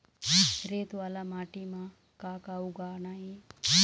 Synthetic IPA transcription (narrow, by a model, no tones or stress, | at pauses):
ɾet̪ʋalamaːʈimã | kaːkauɡaːnaɦi